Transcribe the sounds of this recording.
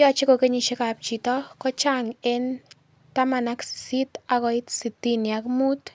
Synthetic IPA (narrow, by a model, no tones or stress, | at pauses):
jɔt͡ʃikokeɲiʃɪkap̚t͡ʃitɔkɔt͡ʃaŋen | t̪amanaksit̪akɔit̪sit̪injakmut̪